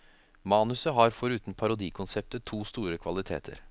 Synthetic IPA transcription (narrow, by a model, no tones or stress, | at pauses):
mɑːnʉsəɦɑɾfɔɾʉːt̪n̩pʰɑɾʊd̪iːkʰʊnsɛp̚t̪ət̪ʰuːst̪uːɾəkʰʋɑlɪt̪ʰḛːt̪ʰə̰ɾ